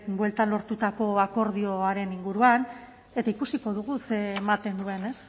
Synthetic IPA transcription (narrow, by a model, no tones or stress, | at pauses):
bwe̞lt̪anlo̞ɾt̪ut̪ako̞ako̞ɾðio̞aɾe̞niŋɡuɾuan | e̞t̪aikusiko̞ðuɣ̞use̞ːmat̪e̞nd̪ue̞ne̞s